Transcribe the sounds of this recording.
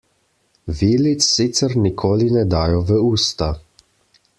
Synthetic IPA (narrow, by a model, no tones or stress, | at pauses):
ʋiːlit̪sːit̪səɾnikʰoːlinɛd̪aːjɔʋəuːst̪a